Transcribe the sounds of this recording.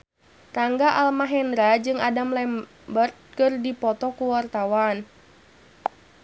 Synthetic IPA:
taŋɡaʔalmaɦɛndɾad͡ʒɨŋadamlɛm | bərt̪̚kɨrdipɔt̪ɔkuwart̪awan

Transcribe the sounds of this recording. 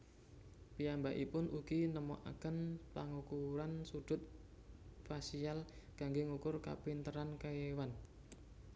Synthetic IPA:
pijambaʔipʊnʔuɡ̥inəmo̰ʔa̰kənpaŋukuɾansud̥ʊ̤t̪̚ | fasialɡ̥aŋɡeŋukʊrka̰pint̪əɾankaewan

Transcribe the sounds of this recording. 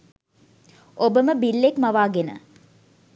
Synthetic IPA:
obəməbilːekmɐʋaːɡenə̰

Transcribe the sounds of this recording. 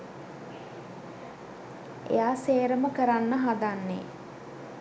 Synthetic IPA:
ḛjaːseːɾəməkəɾanːəɦad̪anːḛ

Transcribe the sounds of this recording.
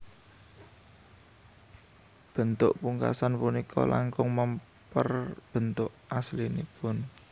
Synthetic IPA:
b̥ə̤nt̪ʊʔpuŋka̰sanpunikʰɔlʔaŋkʊŋməm | pərb̥ə̤nt̪ʊʔaslinipʊn

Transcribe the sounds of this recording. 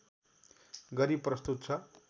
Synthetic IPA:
ɡʌɾipːrʌst̪ut̪t͡sʰʌ

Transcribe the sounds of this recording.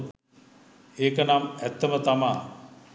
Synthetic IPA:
eːkənamæt̪ːəmət̪amaː

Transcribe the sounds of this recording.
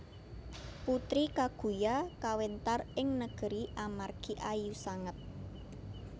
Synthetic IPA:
put̪ɾikaɡ̥ṳjakawent̪arɪŋnəɡ̥ə̤ɾiʔamarɡ̥iʔajusaŋət̪̚

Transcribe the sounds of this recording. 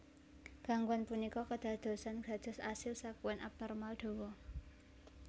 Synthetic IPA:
ɡ̥a̤ŋɡuanpunikɔkəd̪̥ä̤d̪̥o̤sanɡ̥a̤dd̪̥ɔ̤sasɪlsakuwɛnʔa̰p̚nɔrmalɖ̪̥o̤wɔ

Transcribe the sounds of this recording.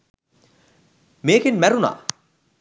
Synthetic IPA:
meːkenmæɾuna̰

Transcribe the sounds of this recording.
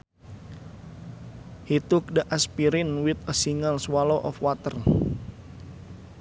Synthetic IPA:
hit̪uk̚dəʔaspiɾinwit̪əsiŋəlswaloʔɔ̰fwat̪ər

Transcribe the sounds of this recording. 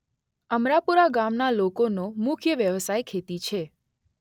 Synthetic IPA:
əmɾapuɾaɡamnalokonomʊkʰjəʋjəʋsajkʰet̪it͡ʃʰe

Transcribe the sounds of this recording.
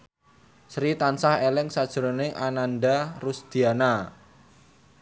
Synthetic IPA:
sɾit̪ansahelɪŋsad̥ʒ̥ɾonɪŋʔananɖarusd̪̥iana

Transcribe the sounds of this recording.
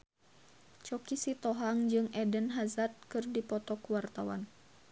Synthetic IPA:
t͡ʃɔkisit̪ɔɦaŋd͡ʒɨŋɛdənɦazat̪̚kɨrdipɔt̪ɔkuwart̪awa̰n

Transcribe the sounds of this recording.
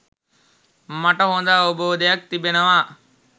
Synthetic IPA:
maʈɐɦond̪aːoboːd̪ɐjak̚t̪ibenɐʋaː

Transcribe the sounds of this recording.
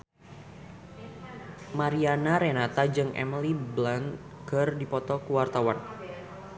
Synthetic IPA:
maɾianaɾenat̪ad͡ʒɨŋɛ̰miliblan | kɨrdipɔt̪ɔkuwart̪awan

